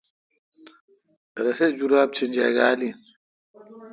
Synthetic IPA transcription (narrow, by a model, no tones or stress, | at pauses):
ɛɾɛsɛd͡ʒuɾab̚t͡ʃʰind͡ʒaɡaːlin